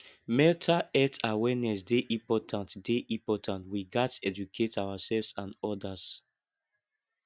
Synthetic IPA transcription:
mɛltʰaɛtawɛnɛsdeʔĩmpɔtʰãntdeʔĩmpɔtʰãntwiɡatɛd͡ʒukʰetawasɛlvsãnɔdas

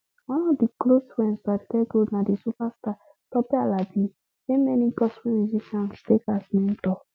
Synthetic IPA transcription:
ɔ̃nɔdikloswɛ̃nsaɾitɛɡonãdisupasta | tɔpɛalabi | emɛnĩkɔsfĩnziʃãnstekasnɛ̃ntɔ

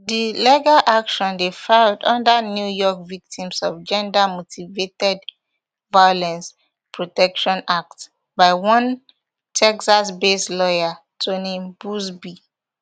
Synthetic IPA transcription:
dilɛɡaʔakʃɔ̃ndefaldɔ̃ndanjujɔkvik̚tʰĩmsɔvd͡ʒɛ̃ndamotʰivetɛd | vajolɛ̃ns | pʰɹotɛkʃɔ̃nak̚t | baɪwɔ̃n | tʰɛksasbeslɔja | tʰonẽmbusbi

